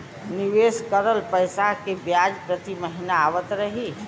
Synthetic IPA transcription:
niʋeskəɾəlpəjsaɦkebjad͡ʒpɾət̪iməɦinaːʋət̪ɾəɦi

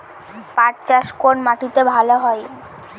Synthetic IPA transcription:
paɾt͡ɕaʃkonmaʈit̪ebʱaloɦɔe

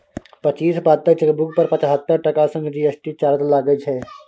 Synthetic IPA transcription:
pət͡ʃiːspaːt̪ːəɾt͡ʃəkbʊkpəɾpət͡ʃɦət̪ːəɾʈəkaːsə̃ŋɡd͡ʒiːəsʈiːt͡ʃaːɾt̪laːɡəd͡ʒɦɛː

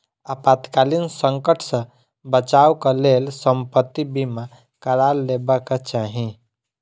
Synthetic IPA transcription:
əpat̪kalinsə̃ŋkəʈʰsə̃ | bət͡ʃawkalelsəmpət̪ːibima | kəɾalːebəket͡ʃaɦĩ

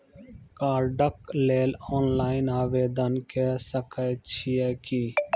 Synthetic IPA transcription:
kaːɾɖəkleːloːnlaːɪnaːʋeːd̪ənkesəkət͡ʃʰiɛːkiː

